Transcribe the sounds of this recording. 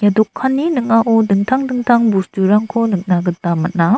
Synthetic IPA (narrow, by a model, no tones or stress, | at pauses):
jadɔkʰːanːinɯŋaʔodɯŋtʰaŋdɯŋtʰaŋbustuɾaŋkʰonɯk̚naɡɯtːamat̚na